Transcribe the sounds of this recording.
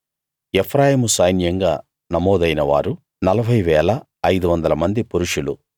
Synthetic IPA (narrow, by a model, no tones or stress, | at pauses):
epʰɾaːjiːmusɐjnjɐŋɡaː | nɐmɔːd̪ɐjnɐʋa̰ːɾu | nɐlɐbʱɐjʋɛːlɐː | jd̪uʋɐnd̪ɐlɐmɐnd̪ipuɾuʂulṵ